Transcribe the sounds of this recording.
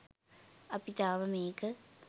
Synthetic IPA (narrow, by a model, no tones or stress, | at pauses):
ɐpit̪aːʋɐmeːkɨ